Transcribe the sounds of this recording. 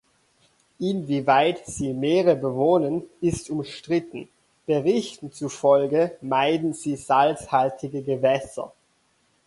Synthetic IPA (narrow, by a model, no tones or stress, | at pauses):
ʔɪnviːvaɪtz̥iːmeːʁəbəvoːnənɪstʊmʃtʁ̥ɪtn̩ | b̥əʁɪçtn̩t͡sufɔlɡəmaɪdn̩ziːz̥alshaltʰɪɡəɡəvɛsɐ̰